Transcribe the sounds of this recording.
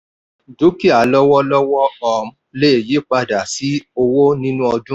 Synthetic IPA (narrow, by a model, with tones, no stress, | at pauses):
du˨˦ki˦a˨˦lɔ˦wɔ˦lɔ˦wɔ˦ɔ˨m̩˦le˦e˨ji˨˦k͡pa˧da˨si˨˦o˧wo˦nĩ˦nũ˦ɔ˧dũ˦